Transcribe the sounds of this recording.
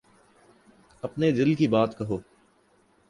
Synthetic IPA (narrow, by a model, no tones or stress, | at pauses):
ɐpned̪ɪlkibaːt̪kɐɦoː